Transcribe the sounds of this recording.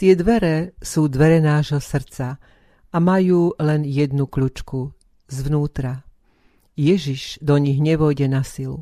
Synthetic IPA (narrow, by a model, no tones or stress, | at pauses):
t̪ɪɛd̪ʋɛɾɛsuːd̪ʋɛɾɛnaːʒɦɔsr̩t͡sa | amajuːlɛnjɛd̪nukʎut͡ʃku | zʋnuːt̪ɾa | jɛʒiʒd̪ɔɲiɣɲɛʋɔjɟɛnasil